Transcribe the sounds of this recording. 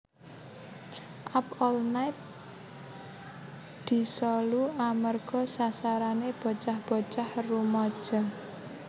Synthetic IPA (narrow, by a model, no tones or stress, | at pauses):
ʔapɔlnajt̪̚ | d̪̥i̤sɔluamərɡ̥ɔ̤sasaɾaneb̥ɔ̤t͡ʃahb̥ɔ̤t͡ʃahrumɔd̥ʒ̥a